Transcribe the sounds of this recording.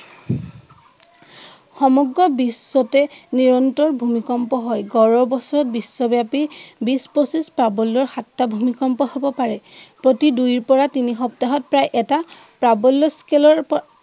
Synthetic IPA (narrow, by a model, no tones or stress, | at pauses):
xɔmɔɡɹɔbisːɔtɛniɹɔntɔɹbʱumikɔmpɔɦɔjɡɔɹɔbɔsɔɹɔt̚bisːɔbjapibisposispɹabɔlːɔɹxatːabʱumikɔmpɔhobɔpaɹɛpɹotidujɹpɔɹatinixɔptaɦɔt̚pɹajʔɛta | pɹabɔlːɔskelɔɹp